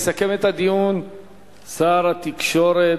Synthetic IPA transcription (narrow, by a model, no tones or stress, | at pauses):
sakemet̪had̪ijun | saːɾat̪ikʃo̞ɾe